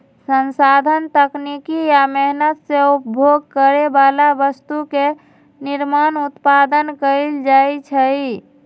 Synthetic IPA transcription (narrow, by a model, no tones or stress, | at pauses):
sənsad̪ʱənt̪əknikijamɛɦnət̪seupbʱjoɡ̚kəɾebalabəst̪uke | niɾmanut̪pad̪ənkəɪld͡ʒajt͡ʃʰəi